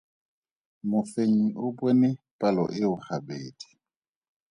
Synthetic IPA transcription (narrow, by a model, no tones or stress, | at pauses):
mʊfeɲ̩ʊbwenɪ | pʼalɔ̰ʔɪʊhabeːdi̥